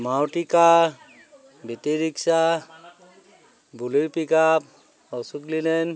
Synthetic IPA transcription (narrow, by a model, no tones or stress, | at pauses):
mawʈika | bʱitiɾiksa | buluɾpikap̚ | ɔsuklilɛn